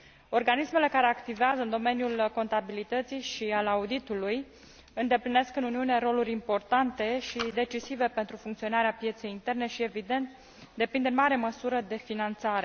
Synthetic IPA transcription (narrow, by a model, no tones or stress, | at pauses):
o̞rɡanisme̞le̞kaɾe̞akt̪iveazəɨnd̪o̞me̞njulko̞nt̪abilit̪ət̪sijʃialaud̪it̪uluj | ɨnd̪e̞pline̞skɨnuniunieɾo̞luɾʲimpo̞rt̪ant̪e̞ʃid̪e̞t͡ʃisive̞pe̞nt̪ɾufuŋkt̪sio̞naɾeapje̞t̪se̞jint̪e̞rne̞ʃie̞vid̪e̞nt̪ | d̪e̞pind̪ɨnmaɾe̞məsuɾəd̪e̞finant̪saɾe̞